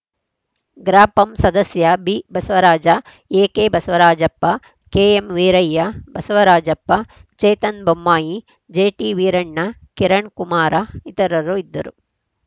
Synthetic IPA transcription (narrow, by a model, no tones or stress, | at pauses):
ɡɾaːpɐmsɐd̪ɐsjɐbibɐsɐʋɐɾaːd͡ʒɐ | eːkeːbɐsɐʋɐɾaːd͡ʒɐpːɐ | keːemʋiːɾɐjːɐbɐsɐʋɐɾaːd͡ʒɐpːɐt͡ʃɐjt̪ɐnbɐmːaːji | d͡ʒeːʈiːʋiːɾɐɳːɐ | kiɾɐɳkumaːɾɐit̪ɐɾɐɾuid̪ːɐɾu